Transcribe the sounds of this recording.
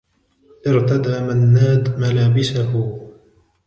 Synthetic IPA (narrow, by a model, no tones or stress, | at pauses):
ʔɪɾt̪ad̪aːmanːaːd̪malaːbɪsahʊ